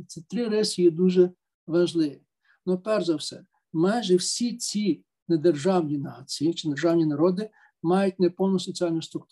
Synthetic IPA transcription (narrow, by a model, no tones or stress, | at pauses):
t͡sʲit̪ɾɪɾɛsʲijɛd̪uʒɛ | ʋɐʒlˠɪʋʲi | nɔpɛrzɐwsɛ̰ | mɑjʒɛwsʲit͡sʲi | ned̪erʒɑwnʲinɑt͡sʲijit͡ʃɪd̪erʒɑwnʲinɐɾɔd̪ɪ | mɑjʊt̚ʲnɛpɔwnʊsɔt͡sʲiɑlʲnʊst̪ɾʊkt̪